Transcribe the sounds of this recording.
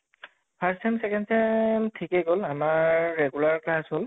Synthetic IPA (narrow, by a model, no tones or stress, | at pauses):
pʰaɹsɛmsɛkɛndsɛmtʰikɛɡolamaɹːɛɡulaɹklasɦol